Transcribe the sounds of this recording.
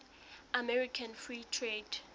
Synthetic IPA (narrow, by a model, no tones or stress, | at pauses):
amɛɹikʰanfɹitʰred̥